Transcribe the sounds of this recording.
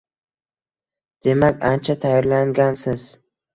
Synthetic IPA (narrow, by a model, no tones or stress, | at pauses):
d̪̥e̞makʲant͡ʃʰat̪ʰajɒɾlaŋɡʲansɪz